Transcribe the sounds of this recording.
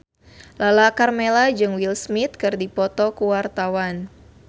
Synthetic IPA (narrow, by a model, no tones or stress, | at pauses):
lalakarmelad͡ʒɨŋwilsmit̪̚kɨrdipɔt̪ɔkuwart̪awan